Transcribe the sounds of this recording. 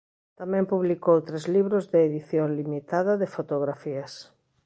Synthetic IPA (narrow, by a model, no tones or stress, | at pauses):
t̪amɛ̃mpuβlikowt̪ɾezliβɾozðeːðiθjoŋlimit̪að̞ɐðefot̪oɣɾafiɐs